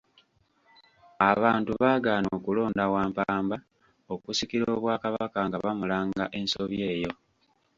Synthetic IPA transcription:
aβaːntuβaːɡaːnoːkulo̞ːndawaːmpaːmba | okusikiɾoːβwaːkaβakaŋɡaβamulaːŋɡaʔe̞nso̞βje̞ːjo̞

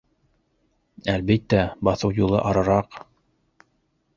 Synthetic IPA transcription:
ælβit̪ːæbɑθɤwjulˠɤ̰ʔɑɾɤ̆ɾɑq

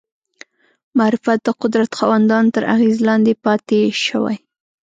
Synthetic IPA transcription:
maɾɪfjat̪̚d̪əqʊd̪ɾat̪xɑwand̪ɑnt̪əɾa̰ɣezlɑnd̪epɑt̪eʃəwa̰j

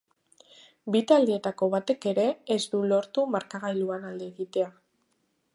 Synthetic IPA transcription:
bit̪ald̪eːt̪ako̞βat̪e̞ke̞ɾe̞ːzd̪ulo̞ɾt̪umaɾkaɣajluanald̪e̞ːɣit̪e̞a

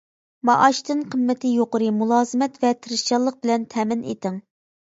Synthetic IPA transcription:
mɑʔɑʃt̪ɨnqʰəmːɪt̪ʰɪjoqʊɾɨmulˠɑːzɨmɛt̪vɛt̪ʰɨɾɨʃt͡ʃɑlˠːəq̚bɪlɛnt̪ʰɛmɪnḛt̪ɪŋ

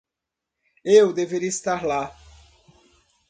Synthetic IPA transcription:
ewd̪eveɾiɐist̪aɾla

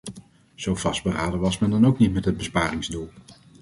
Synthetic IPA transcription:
z̥owv̥ɑsdbəraːdəʋɑsmɛndɑnowknitmɛtɦəd̚bəspaːrɪŋzdulˠ

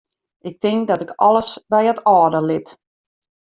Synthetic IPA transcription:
ʔɪk̚tɪŋk̚dɔtɪkʰɔlˠəsbɛjətʰɔːdəlɪt

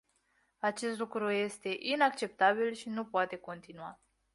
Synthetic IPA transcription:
at͡ʃe̞st̪lukɾuje̞st̪e̞ʔinak̚t͡ʃe̞p̚t̪abilʃinupoat̪e̞ko̞nt̪inua

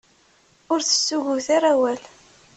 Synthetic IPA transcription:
ʊɾθə̥sːuʝʊθaɾˤawæl

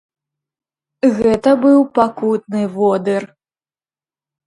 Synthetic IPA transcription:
ɣɛt̪ɐbɨwpakut̪̚nɨvɔd̪ɨr

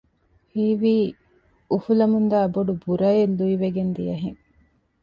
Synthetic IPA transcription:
hiːʋiː | ufulɐmund̪aːboɖubuɾɐelːuiʋeɡend̪ijɐɦeŋ

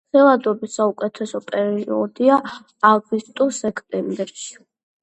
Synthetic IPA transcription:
χɛlˠad̪ɔbisaukʼɛt̪ʰɛsɔpʼɛɾiiɔd̪iaː | ɡust̪ʼɔsɛkʰʼt̪ʼɛmbɛɾʃi̥

